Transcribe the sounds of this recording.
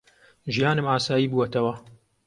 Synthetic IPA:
ʒijaːnɨmaːsaːjiːbuːwɐt̪ɐwɐ

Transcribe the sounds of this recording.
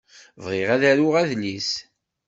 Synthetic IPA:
vʁeʁæðæɾʊʁæðlis

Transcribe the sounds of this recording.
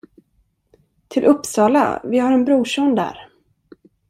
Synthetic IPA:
t̪ʰɪlʔɵpːsɑːla̰vɪhaɾɛnbɾuːʂɔnd̪æ̰ːɾ

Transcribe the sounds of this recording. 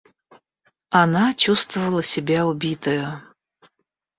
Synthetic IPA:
anat͡ɕust̪vəvəlˠəsʲɪbʲaʊbʲit̪əjə

